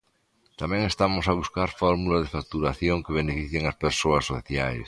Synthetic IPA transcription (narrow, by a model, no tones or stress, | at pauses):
t̪amɛ̃ŋest̪amosaβ̞uskaɾfɔɾmulaðefak̚t̪uɾaθjoŋkeβ̞enefiθjeŋaspeɾsoɐsːo̰θjajs